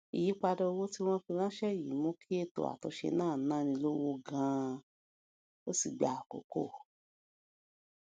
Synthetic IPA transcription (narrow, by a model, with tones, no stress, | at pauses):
i˨ji˨˦k͡pa˧dɔ˧o˧wo˦ti˦w̃ɔ̃˦fi˧ɾ̃ã˦ʃɛ˦˨ji˨˦mõ˦kʰi˦e˦˨to̰˨a̰˨tɔ˨˧ʃḛ˧nãː˦˨nãː˦˨nĩ˧lo˦wo˧ɡã˧ | o˦si˨ɡ͡ba˨ko̰˨ko̰˦˨